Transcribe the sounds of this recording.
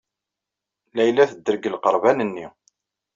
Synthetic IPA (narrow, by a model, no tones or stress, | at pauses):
læjlæθəd̪ːəɾəɡəlqəɾˤvænənːi